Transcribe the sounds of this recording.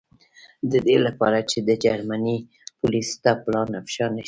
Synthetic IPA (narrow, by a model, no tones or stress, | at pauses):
d̪əd̪elapɑ̰ɾat͡ʃed̪əd͡ʒaɾmani | pulist̪aplɑnːafʃɑna